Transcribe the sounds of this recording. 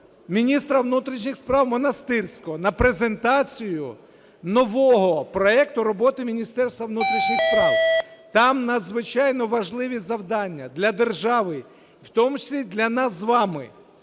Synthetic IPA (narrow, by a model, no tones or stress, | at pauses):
mʲinʲist̪ɾɐʋnut̪ɾʲit͡ʃnʲixspɾɑwmɔnɐst̪ɪrsʲkɔɔnɐpɾezent̪ɑt͡sʲijʊ | nɔʋɔɦɔpɾɔɛkt̪ʊɾɔbɔt̪ɪmʲinʲist̪ɛrst̪ʋɐʋnut̪ɾʲiʃnʲixspɾɑwt̪ɑmnɐd̪zʋɪt͡ʃɑjnɔʋɐʒlˠɪʋʲizɐwd̪ɑnʲːɐd̪lʲɐd̪erʒɑʋɪ | wt̪ɔmʊt͡ʃɪ̥sʲlʲid̪lʲɐnɑszʋɑmɪ̰